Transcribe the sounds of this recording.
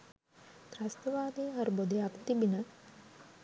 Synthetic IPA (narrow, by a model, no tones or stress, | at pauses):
kɾast̪əʋaːd̪eɐɾubod̪ejakt̪ibinə